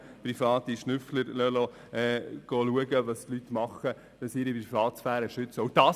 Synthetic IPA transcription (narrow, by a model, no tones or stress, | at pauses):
pɾifɑːtiʃnʏfləɾlœlɔ | ɛɡ̥ɔluəɡəʋɑstlytmɑχə | d̥ɑsiɾipɾifɑːt̪sfæːɾəʃʏt͡səʊd̥ɑː